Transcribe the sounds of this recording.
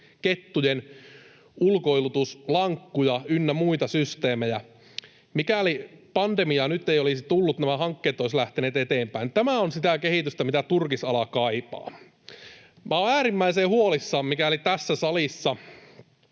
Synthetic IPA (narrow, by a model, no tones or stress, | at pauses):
ket̪ːujen | ulkoilut̪uslɑŋkːujɑynːæmuit̪ɑsyst̪eːmejæ | mikælipɑnd̪emiɑnyt̪ːeiolisit̪ulːut̪næmæhɑŋkːeːt̪ːˑoislæht̪eneːt̪et̪eːmpæint̪æmæonsit̪æˑkehiˑt̪yst̪æmit̪æt̪urkisɑlɑkɑipɑ̰ː | mæoæːɾimːæiseːhuolisːɑːmmikæˑolit̪æsːæsɑlisːɑ